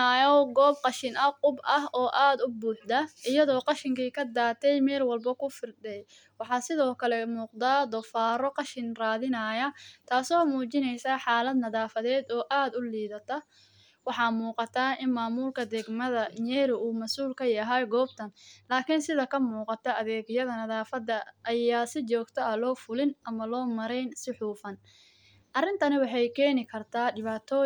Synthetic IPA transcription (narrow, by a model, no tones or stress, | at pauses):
ajɔɡɔːbqɑʃɪnɐqʊbɐɦɔːʔaːd̪ʊbuːħd̪ɐɪjɐðɔːqɑʃɪŋkʰiːkʰɐd̪aːt̪ʰɛjmɛːlwɑlbɐkʰʊfɪrd̪ɛj | wɑħɑːsɪðɔːkʰɐlɛmuːqd̪aːd̪ɔfaːɾɔqɑʃɪnraːðɪnɐːjɐt̪ʰaːsɔːmuːt͡ʃɪnɛjsaːħɑːlɐd̪nɐðaːfɐðɛːd̪ɔːʔaːd̪ʊliːðɐt̪ʰɐ | wɑħɑːmuːqɑt̪ʰaːɪnmaːmuːlkʰɐd̪ɛɡmɐðɐɲɛːɾʊʔuːmɐsuːlkʰɐjɐɦɛjɡɔːb̚t̪ʰɐnlaːkʰɪnsɪðɐkʰɐmuːqɑt̪ʰɐɐðɛːɡjɐðɐnɐðaːfɐd̪ɐʔɐjaːsɪt͡ʃɔːɡt̪ʰɔɐlɔːfʊlɪnʔɐmɐlɔːmɐɾɛjnsɪħuːfɐn | ʔɐrɪnt̪ʰɐnɪwɑħɑjkʰɛːnɪkʰɐrt̪ʰaːɖɪβaːt̪ʰɔː